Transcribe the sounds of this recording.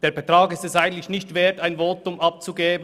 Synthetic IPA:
d̥eːɐbɛtʁɑːɡɪstɛstaɪɡn̩tlɪçnɪçtv̥eːɐtaɪnvoːtʊmʔɑp̚t͡suɡeːbən

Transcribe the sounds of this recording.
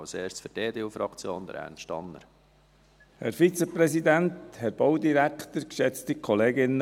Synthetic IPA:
lseːʃt͡sfʏɾdeːdeːuːfɾɑkt͡sjoːnd̪əɾæ̰nʃtɑ̰nːə̰ɾ | hɛɾfit͡səpɾɛsid̪ænt̪hɛɾb̥ɔwd̪iɾækt̪əɾkʃɛt͡stikʰχɔleːɡɪnːə

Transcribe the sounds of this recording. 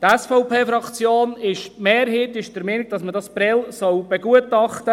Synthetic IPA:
tɛsfɔʊpʰeːfɾɑkt͡sjoːnɪʃmeːɾɦeːtɪʃd̥əɾmeːnɪɡ̥̚d̥ɑsmədɑsb̥ɾɛlsɔwb̥ɛɡ̥uətɑχtə

